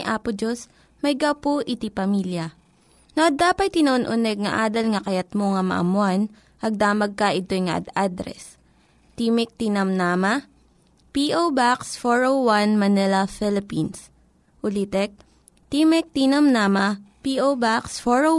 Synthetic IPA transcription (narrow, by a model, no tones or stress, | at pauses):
ʔaːpʊd͡ʒos | mɐjɡɐwpoʔɪt̪ipɐmiljɐ | nɐɐːaːpɐt̪̚t̪ːɪnɐʔonʔʊnɛɡ̚ŋɐ̰ʔaːd̪ɐlŋɐkɐjɐt̪̚moŋɐmɐ̰ʔɐ̰mʊan | ʔɐɡ̚d̪aːmɐɡ̚kɐʔɪt̪ojŋɐ̰ʔɐ̰d̪ad̪ɾɛ̰s | t̪imɪk̚t̪inɐmnaːmɐ | piʔobaksfoɹowwanmɐnɛlɐfɪlɪpins | ʔʊlit̪ɛk̚ | t̪imɛk̚t̪inɐmnaːmɐpiʔobaksfoɹo